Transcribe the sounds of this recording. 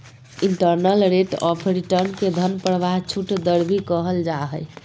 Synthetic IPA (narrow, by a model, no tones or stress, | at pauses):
iɳʈəɾnəlɾeʈɔpʰɾiʈəɾnked̪ʱənpəɽʋaɦt͡ʃʰuʈd̪əɾbʱikəɦəld͡ʒaɦəj